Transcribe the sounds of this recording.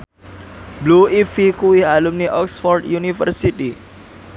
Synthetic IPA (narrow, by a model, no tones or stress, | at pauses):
bluifikuwɪhalumniʔɔksfɔrd̪junifə̰rsit̪i